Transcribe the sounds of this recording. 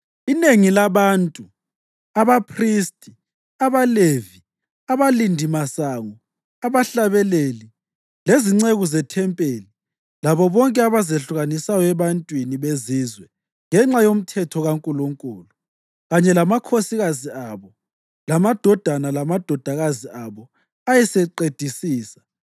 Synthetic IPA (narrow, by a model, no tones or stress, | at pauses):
ineŋilaβantʼu | aβapʰristʼi | aβalevi | aβalindʱimasaŋɔ | aβaɬaβɛleli | leziŋ͡ǀeɣuzɛtʰɛmpʼeːli | laβɔβɔŋkʼɛaβazeɬuɣanisajɔɛβantʼwiniβezizwɛ | ŋɛŋ͡ǁajom̩tʰɛtʰɔɣaŋkʼuluŋkʼuːlu | ɣaɲɛlamakʰosiɣaziaβɔ | lamad̥ʱɔd̥ʱanalamad̥ʱɔd̥ʱaɣaziaβɔ | ajɛsɛǃed̥ʱisiːsḁ